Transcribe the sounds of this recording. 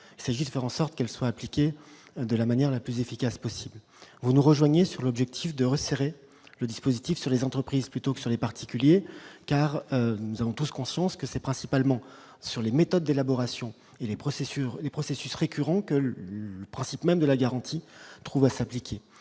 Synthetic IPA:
ilsaʒid̪əfɛʁɑ̃sɔʁt̪kɛlswaːplikʲed̪əlamanjɛʁlaplyzefikʲaspɔsibl | vunuʁəʒwaɲesyʁlɔbʒɛk̚t̪ʰifd̪əʁəseʁe | ləd̪ispozit̪ifsyʁlezɑ̃t̪χəpχizplyt̪okə̥syʁlepaʁt̪ʰi̥kʲyljekaʁønuzavɔ̃t̪uskɔ̃sjɑ̃skəsɛpχɛ̃sipalmɑ̃ | syʁlemet̪ɔd̪ːelabɔʁasjɔ̃ | elepχɔsesyʁlepχɔsesysʁekʲʰyʁɑ̃kəəpχɛ̃sipmɛmd̪əlaɡaʁɑ̃t̪ʰit̪χuvasaplikʲʰe

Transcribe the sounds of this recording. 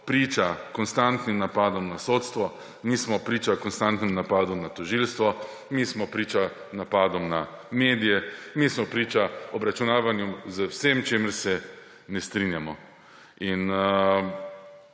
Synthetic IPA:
pɾiːt͡ʃakɔnst̪ant̪nimnapaːd̪ɔmnasoːt̪st̪ʋɔ | mismɔpɾiːt͡ʃakɔnst̪ant̪nimnapaːd̪ɔmnat̪ɔʒilst̪ʋɔ | mismɔpɾiːt͡ʃa | napaːd̪ɔmna | meːd̪ijɛmismɔpɾiːt͡ʃaɔbɾat͡ʃunaːʋanjumzəwsemt͡ʃeːməɾsɛ | nɛst̪ɾinjamɔ | in

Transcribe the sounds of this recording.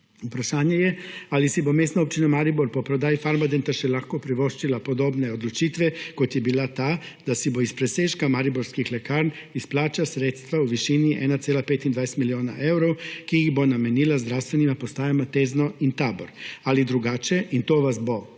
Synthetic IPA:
upɾaʃaːɲejɛalisibomeːsnaop̚t͡ʃinamaɾiboɾpopɾod̪aːjifaɾmad̪ent̪aʃɛlaxkopɾiʋoʃt͡ʃilapod̪obneod̪lut͡ʃit̪ʋɛkot̪jɛbilat̪aː | d̪̥asiboispɾeseːʃkamaɾiboɾskixlekaːɾn | isplaːt͡ʃasɾeːt̪st̪ʋauʋiʃiniʔɛnat̪seːlapet̪ind̪ajest̪milioːna̰ʔewɾokijixbonamenilazd̪ɾawst̪ʋenimapost̪aːjamat̪eːznoint̪aːboɾalid̪ɾuɡaːt͡ʃeʔint̪oːʋasbo

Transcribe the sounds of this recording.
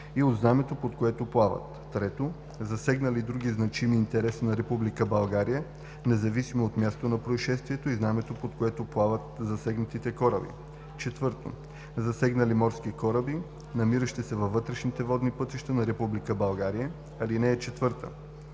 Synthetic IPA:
iod̪znamɛt̪opot̪koɛt̪oplˠavɐ̰t̪ːɾɛt̪o | zɐsɛɡnɐlid̪ɾuɡ̟iznɐt͡ʃimiːnt̪ɛɾɛsinɐɾɛpublikəbɐlˠɡaɾijə | nɛzɐvisimoot̪mjast̪onɐpɾoiʃɛst̪viɛt̪oiznamɛt̪opot̪koɛt̪oplˠavət̪zɐsɛɡnɐt̪it̪ɛkɔɾəbḭ | t͡ʃɛt̪vɤɾt̪o̰ | zɐsɛɡnɐlimɔɾskikɔɾəbi | nɐmiɾəʃt̪ɛsɛvɐvːɤt̪ɾɛʃnit̪ɛvɔd̪nipɤt̪iʃt̪ənɐɾɛpublikəbɐlˠɡaɾijə | ɐlinɛːt͡ʃɛt̪vɤɾt̪ə̰

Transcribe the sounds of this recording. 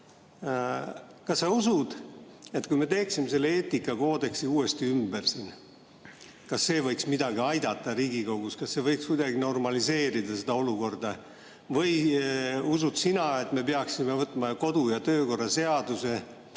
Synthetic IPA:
kɑsːeusud̪̥et̪kujme̞t̪e̞ːksimes̬e̞lːeeːt̪ːikːˑɑko̞ːd̪e̞ksiuːe̞st̪iymbersen | kɑsːe̞ːvɤjksmid̪̥ɑɡiɑjd̪̥ɑt̪ːˑɑɾiːɡiko̞ɡ̥uskɑsːe̞vɤjkskujd̪ɑɡino̞rmɑlise̞ːɾid̪ɑsed̪̥ɑo̞luko̞rd̪̥ɑ | vɤj | usud̪sinɑe̞t̪ːˑme̞pe̞ɑksime̞vɤt̪ːˑmɑko̞d̪̥ujɑt̪ø̞ːko̞rːɑse̞ɑd̪̥use̞

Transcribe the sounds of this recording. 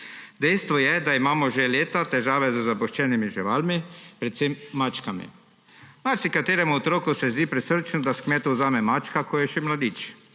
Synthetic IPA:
d̪ɛjst̪ʋɔjɛd̪aimaːmɔʒeleːt̪at̪ɛʒaːʋɛzəzapɔʃt͡ʃɛːnimiʒiʋaːlmipɾɛt̪semːat͡ʃkamḭ | maɾsikat̪eːɾɛmuɔt̪ɾoːkusɛzd̪iːpɾɛsəɾt͡ʃnud̪askmɛːt̪uzaːmɛmaːt͡ʃkakʰɔjɛʃɛmlad̪iːt͡ʃ

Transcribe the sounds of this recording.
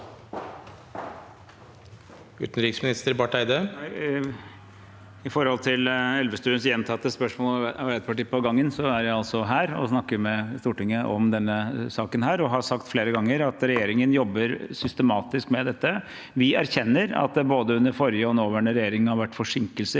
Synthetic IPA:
ʉ̰ːt̪n̩ɾɪksmɪnɪst̪əɾbɑʈæɪd̪ə | ɪfɔɾhɔlt̪ʰɪlɛlʋəst̪ʉːənsjɛnt̪ʰɑt̪ːəspœʂmoːlɑæt̪̚pʰɑʈiːəpɔɡɑŋːənsɔæɾjæɪɑlsɔɦæːɾɔ̰snɑkːəɾmɛst̪uːʈɪŋːəʔɔmd̪ɛnːəsɑːkənɦæːɾɔɦɑsɑkt̪fleːɾəɡɑŋːəɾɑt̪ɾɛjeːɾɪŋənjɔbːəɾsʏst̪əmɑːt̪ɪskmɛd̪ɛt̪ːə | ʋɪæɾçɛnːəɾɑ̰t̪̚d̪ɛboːd̪əʉnːəɾfɔɾjəɔɛnoːʋæːɳəɾɛjeːɾɪŋnhɑɾʋæʈːfɔʂɪŋkəlsə

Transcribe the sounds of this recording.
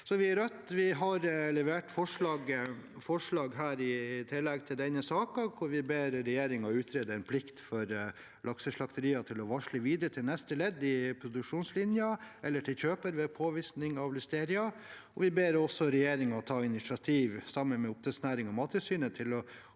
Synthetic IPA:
sɔʋɪæɾœt̪ːʋɪɦɑɾlɛʋeːʈfɔʂɭɑːɡ | fɔʂɭɑːɡɦæːɾɪt̪ʰɪlːɛɡt̪ʰɪld̪ɛnːəsɑːkɑkʰʊɾʋɪbeːɾɾɛjeːɾɪŋɑʉːt̪ʰɾeːd̪əɛnpʰlɪkt̪fɔɾ | lʔɑksəʂɭɑkt̪əɾiːɑt̪ʰɪlɔʋɑʂlɪʋiːd̪ɾət̪ʰɪlnɛst̪əlɛd̪ːɪpʰɾʊd̪ʉkʂuːnslɪnjɑʔɛlːəʈʰɪlçøːpəɾʋɛpʰoːʋɪsnɪŋɑʋlʏst̪eːɾɪɑ | ɔʋɪbeːɾɔsːɔɾɛjeːɾɪŋɑɔt̪ʰɑːɪnɪsɑt̪ʰiːʋsɑmːənmɛʊp̚t̪ʰɛsnæːɾɪŋɔmɑːt̪əsyːnət̪ʰɪlɔ

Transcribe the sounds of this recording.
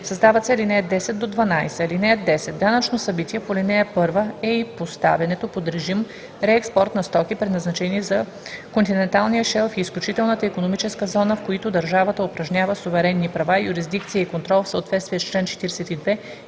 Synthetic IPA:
sɐzd̪avɐt̪sɛlinɛɛd̪d̪ːɛsɛt̪̚d̪od̪vɐnajsɛlinɛɛd̪d̪ːɛsɛd̪̚d̪anət͡ʃnosɐbit̪iɛpolʲinɛɛpɤɾvəɛipost̪a̰vɛnɛt̪opod̪ɾɛʒim | ɾɛɛkspɔɾt̪nɐst̪ɔkipɾɛd̪nɐznɐt͡ʃɛnizɐ | kont̪inɛnt̪alˠnijəʃɛlˠfiːsklʲut͡ʃit̪ɛlˠnət̪əikonomit͡ʃɛskəzɔnəfkoit̪ʊd̪ɐɾʒavət̪əʊpɾɐʒnʲavəsʊvɛɾɛnːipɾɐvajʊɾizd̪ik̚t̪sijəikont̪ɾɔlˠfsəot̪vɛt̪st̪vijɛst͡ʃlɛnt͡ʃɛ̥t̪iɾɛsɛt̪id̪vɛ

